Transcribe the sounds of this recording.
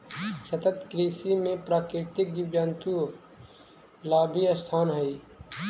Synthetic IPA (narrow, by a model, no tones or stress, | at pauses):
sət̪ət̪kɾiːsimẽpɾaːkɾɪt̪ɪk̚ɡiwd͡ʒaːnt̪u | laːbʱiəst̪ʰaːnɦɐi